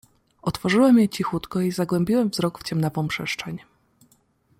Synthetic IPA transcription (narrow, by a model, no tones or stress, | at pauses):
ɔt̪fɔʐɘwɛmjet͡ɕixut̪kɔizaɡwɛmʲbʲiwɛmvzɾɔkft͡ɕɛmnavɔ̃w̃pʂɛʂt͡ʂɛɲɛ